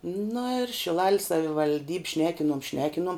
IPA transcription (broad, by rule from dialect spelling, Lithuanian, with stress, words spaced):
nɐ ɪr ʃʲɪˈlˠɐlʲsʲ sɐʋʲɪʋɐlʲˈdʲiːpʲ ˈʃʲnʲæːkʲɪnoːm ˈʃʲnʲæːkʲɪnuɔm